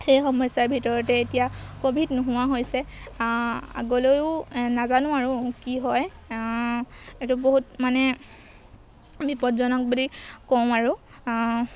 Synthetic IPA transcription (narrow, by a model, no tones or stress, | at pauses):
xejxɔmɔjsaɹbʱitɔɹɔtɛetijakobʱitnʊɦʊwaɦojsɛ | a̰ɡolojʊnazanʊ̃aɹʊkiɦɔj | etʊboɦutmanɛ | bipɔtzɔnɔk̚bulikɔmaɹʊ